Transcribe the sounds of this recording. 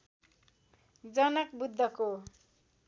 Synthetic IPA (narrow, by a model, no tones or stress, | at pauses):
d͡zʌnʌk̚bud̪ʱːʌko